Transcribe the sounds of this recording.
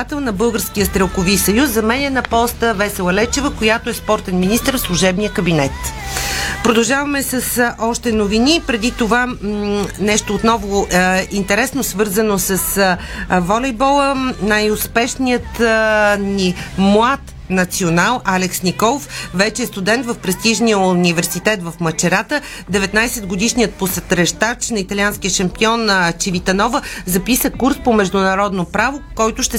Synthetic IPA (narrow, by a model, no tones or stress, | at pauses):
at̪ɛlˠnɐbɤlˠɡəɾsk̟ijəst̪ɾɛlˠkʊvisɐjusːɐmɛnʲɛnɐpɔst̪əvɛsɛlˠɐlɛt͡ʃɛvəkojat̪oɛspɔɾt̪ɛnminist̪əɾfslˠuʒɛbnijəkəbinɛt̪ | pɾod̪ɐʒavɐmɛsɐsʔɔʃt̪ɛnovinipɾɛd̪it̪ova | nɛʃt̪oːt̪nɔvoint̪ɛɾɛsnosvɤɾzənosɐs | vɔlɛjbɔlˠənajʊspɛʃnijət̪ | nimlˠat̪ | nɐt̪sionalˠʔalɛksnikɔlˠofvɛt͡ʃɛːst̪ud̪ɛnt̪vəfpɾɛst̪iʒnijəuʊnivɛɾsit̪ɛt̪vəfmət͡ʃɛɾat̪ə | d̪ɛvɛt̪najsɛd̪ɡod̪iʃnijət̪̚posɛt̪ɾɛʃt̪at͡ʃnɐit̪ɐlʲianskiəʃɐmpiɔnt͡ʃivit̪ɐnɔvəzɐpisəkuɾspomɛʒd̪ʊnɐɾɔd̪nopɾavokɔjt̪ʊʃt̪ɛ